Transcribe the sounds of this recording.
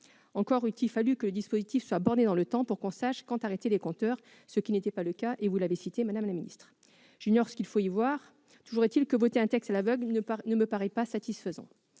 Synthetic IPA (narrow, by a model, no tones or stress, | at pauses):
ɑ̃kɔʁyt̪ifalykələd̪ispozit̪ifswabɔʁd̪ed̪ɑ̃lət̪ɑ̃puʁkɔ̃saʃkɑ̃t̪aʁet̪elekɔ̃t̪œʁ | səkʲinet̪ɛpaləkaʔevulavɛsit̪emad̪amlaminḭst̪χ | ʒiɲɔʁsə̥kʲilfoivwaʁ | t̪uʒuʁɛt̪ilkəvot̪eɛ̃t̪ɛkst̪alavœɡlnnəməpaʁɛpasat̪isfəzɑ̰̃